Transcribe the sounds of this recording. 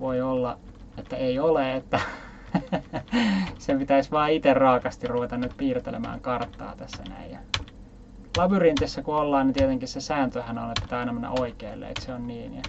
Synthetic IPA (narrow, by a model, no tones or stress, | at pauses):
ʋoiolːɑet̪ːæeioleet̪ːæ | sepit̪æisʋɑːit̪errɑːkɑst̪irruʋet̪ɑnnyt̪̚piːrt̪elḛmæ̰ːŋkɑrt̪ːɑ̰ːt̪æsːæ̰næ̰ijjɑ̰ | lɑʋyrint̪isːækuolːɑːnit̪iet̪eŋkissesæːnt̪øhænonet̪pi̥t̪æɑinɑmenːæ̰ʔoikeːlːḛːḛt̪seonniːnjɑ̰